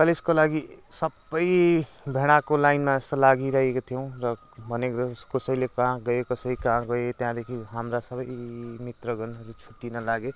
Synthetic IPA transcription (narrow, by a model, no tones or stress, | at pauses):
kʌliskolaɡisʌbʌj | bʱeɽ̃akolajnmaest̪ʌlaɡiɾʌɦekot̪ʰijʌ̃w̃rʌ | bʱʌnekskosʌjlekãɡʌekʌsʌikãɡʌet̪jãd̪ekʰiɦamrasʌbʌjmit̪rʌɡʌnɦʌɾut͡sʰu̥ʈːinʌlaɡe